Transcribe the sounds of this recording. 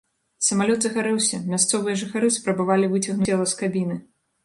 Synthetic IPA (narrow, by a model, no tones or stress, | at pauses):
sɐmalʲɔd̪zɐxaɾɛwsʲɐmʲast̪sɔvɨjɐʐɨxaɾɨspɾɐbavalʲivɨt͡sʲɐɣnuɛlˠɐskabʲinɨ